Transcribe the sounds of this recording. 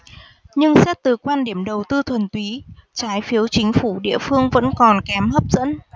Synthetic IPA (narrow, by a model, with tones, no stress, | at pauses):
ɲɨ˧ŋsɛ˦˥t̚t̪ɨ˨˩kwaː˧nɗi˧˩əmɗə˨˩wt̪ɨ˧t̪ʰə˨˩nt̪wi˨˦t͡ɕaː˨˦jfi˨˦əwt͡ɕï˨˦ŋ̟fu˧˩ɗḭ˧˨əfɨ˧əŋvə̰˧˥nkɔ˨˩nkɛ˨˦mhəː˦˥p̚zə̰˧˥n